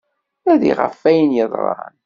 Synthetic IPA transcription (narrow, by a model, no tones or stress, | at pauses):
æðḭʁə̰fːæjənjəðˤɾˤɑ̰ɾ̰n